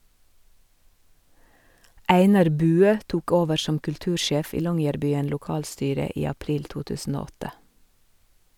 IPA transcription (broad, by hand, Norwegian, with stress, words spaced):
ˈæɪnɑɾ ˈbʉːøː ˈtuːk ˈoːʋəɾ ˈʃɔm kʉlˈtʉːɾˌʃeːf ˈiː ˈlɔŋjæɾbyːən lʊˈkɑːlˌstyːɾə ˈiː ɑˈpɾiːl ˈtuː ˈtʉːsn̩ ˈoː ˈɔtə